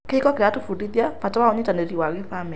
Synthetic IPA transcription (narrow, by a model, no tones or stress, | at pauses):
keikɔkeɾatufuɾiðjapatawaɔɲitaneɾiwaɣefamɛ